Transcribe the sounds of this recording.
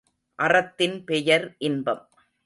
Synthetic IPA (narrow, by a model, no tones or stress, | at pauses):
ʔɐrɐt̪ːɪnpɛjɐɾʔɪnbɐm